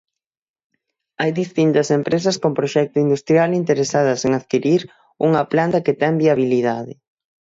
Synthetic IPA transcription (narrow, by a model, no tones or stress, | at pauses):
ajðist̪int̪ɐsempɾes̬ɐskompɾoʃɛk̚t̪ʊind̪ust̪ɾjalint̪eɾesað̞ɐseŋaðkiɾiɾ | uŋɐplant̪ɐket̪ɛŋbiaβ̞iliðaðɪ̰